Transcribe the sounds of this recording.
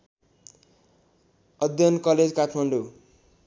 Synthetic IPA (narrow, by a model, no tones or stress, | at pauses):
ʌd̪jʌnkʌled͡zkatʰmʌɳɖo